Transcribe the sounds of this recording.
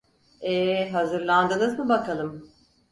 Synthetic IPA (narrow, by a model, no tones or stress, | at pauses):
ɛɦazɯɾlˠand̪ɯnɯzmɯbakʰalˠɯm